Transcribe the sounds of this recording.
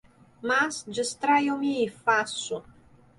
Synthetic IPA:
masd͡ʒəst̪ɾajomiːfasu

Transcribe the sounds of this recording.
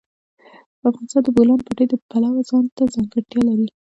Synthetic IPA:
d̪̥əafʁɑnɪst̪ɑnd̪əbolɑnpəʈed̪əpalawazɑnt̪azɑŋɡaɽʈ̪jɑlaɾi

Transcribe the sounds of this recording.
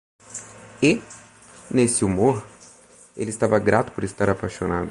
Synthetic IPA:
ɪ | nesɪumoɾ | elɪst̪avɐɡɾat̪ʊ̥poɾɪst̪aɾapajʃonad̪ʊ

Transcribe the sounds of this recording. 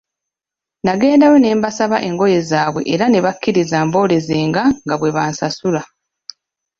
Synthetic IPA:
naɡe̞ːndawene̞ːmbasaβaʔe̞ŋɡo̞je̞zaːβwe̞̰ʔeɾane̞βakːiɾizaːmbo̞ːɾe̞ze̞ːŋɡaŋɡaβwe̞βaːnsasula

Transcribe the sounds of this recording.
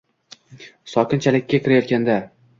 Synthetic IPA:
sɒkʲɪnt͡ʃʰalɪkʲːakʲʰɪɾajɒt̪̚kʲand̪a

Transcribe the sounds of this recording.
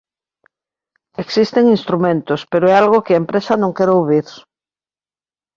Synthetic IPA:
eksist̪eŋinst̪ɾumẽnt̪ʊspeɾoɛalɣokɪɐempɾesɐnõŋkɛɾoβiɾ

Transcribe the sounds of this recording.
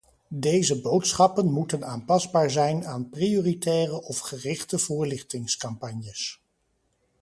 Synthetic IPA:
dejzəbowtsχɑpənmutənaːnpɑzbaːɹzɛjnaːnprioːritɛːrəʔɔfχərɪχtəvʊːɹlɪχtɪŋskɑmpɑɲjəs

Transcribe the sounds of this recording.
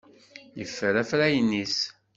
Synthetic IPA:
jəfːəɾæfɾæjənːis

